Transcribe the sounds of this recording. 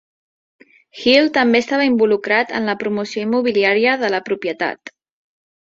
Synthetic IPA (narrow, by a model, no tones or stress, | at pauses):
xilˠt̪əmbest̪aβəimbulukɾat̪ə̰nləpɾumusioimːuβ̞iliaɾiəðələpɾupjət̪a̰t̪